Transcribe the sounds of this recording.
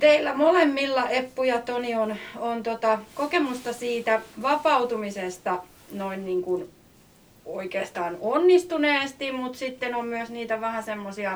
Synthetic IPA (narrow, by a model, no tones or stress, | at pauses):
t̪eilːæmolemːilːɑʔepːujɑt̪onionont̪ot̪ɑkokemust̪ɑsiːt̪æʋɑpɑut̪umisest̪ɑ | noinniːŋkun | oikeːst̪ɑːnonːist̪uneːst̪immut̪sit̪ːenommyøsniːt̪æʋæhæsemːosiɑ